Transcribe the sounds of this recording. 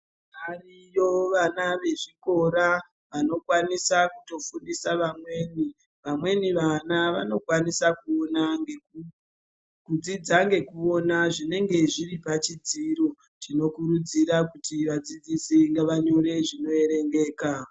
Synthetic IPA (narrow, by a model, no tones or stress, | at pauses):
marijo̞ʋanaʋe̞ʐiko̞ɾa | ʋano̞kwanisakuto̞fundisaʋamwe̞ːni | ʋamwe̞niʋanaʋa̰no̞kwanisakuonaŋe | kud͡zid͡zaŋɡe̞kuo̞naʐine̞ŋɡe̞ʐiripat͡ʃid͡ziːɾo̞ | tino̞kuɾud͡ziɾakutiʋad͡zid͡zisiŋɡeʋaɲo̞ɾe̞ʐino̞e̞ɾe̞ŋɡe̞ːka